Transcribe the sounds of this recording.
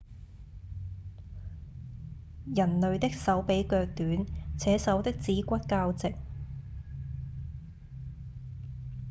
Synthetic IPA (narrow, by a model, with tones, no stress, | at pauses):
jɐ˨˩nlɵ˨ɥt̪ɪ˥k̚sɐ˨˥wpe˨˥jkœː˧k̚t̪yː˨˥nt͡sʰɛː˨˥sɐ˨˥wt̪ɪ˥k̚t͡siː˨˥kʷɐ˥t̚kaː˧wt͡sɪ˨k̚